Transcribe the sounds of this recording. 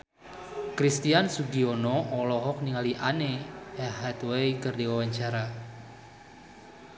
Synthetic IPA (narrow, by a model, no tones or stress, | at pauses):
kɾist̪iansuɡiɔnɔɔlɔɦɔk̚niŋaliʔaneɛɦɛt̪wejkərdiwawaɲt͡ʃaɾa